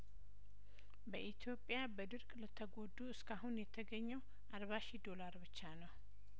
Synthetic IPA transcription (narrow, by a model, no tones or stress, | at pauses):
bəʔit̪ʰjo̞pʼjabəd̪ɨɾkʼlət̪ʰəɡo̞d̪uɨskʰaɦunjɛt̪ʰəɡəɲːɛw | ʔaɾβaʃid̪o̞laɾbɨt͡ʃːanəw